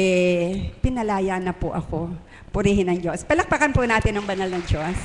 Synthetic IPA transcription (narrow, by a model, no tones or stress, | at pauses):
ʔɛpɪnɐlaːjanɐpʊʔɐ̰ko | pʊɾiːhɪnːɐŋd͡ʒo̞spɐlɐk̚pɐkɐnpʊnaːt̪ɪnːɐŋbɐnɐlnɐŋd͡ʒos